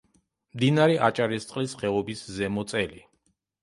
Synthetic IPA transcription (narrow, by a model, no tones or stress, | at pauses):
md̪inaɾɛʔat͡ʃʼaɾist̪sʼqʼlisχɛvɔbiszɛmɔt̪sʼɛli